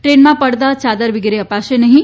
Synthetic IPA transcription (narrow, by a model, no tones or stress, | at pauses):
ʈɾenmãpəɽt̪at͡ʃad̪əɾʋɪɡɾeəpaʃenəɦĩ